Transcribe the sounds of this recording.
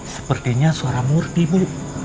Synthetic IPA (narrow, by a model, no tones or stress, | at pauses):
səpərt̪iɲasoaɾamurt̪ibu